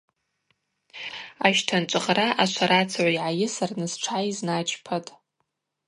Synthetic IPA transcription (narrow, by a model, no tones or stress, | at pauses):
aʃtʰant͡ʃʷʼɨχraʔat͡ʃʷʰaɾat͡sʰʕʷaiʕajɪsarnɨzʈ͡ʂʰaiznat͡ʃʰʼpʰatʼ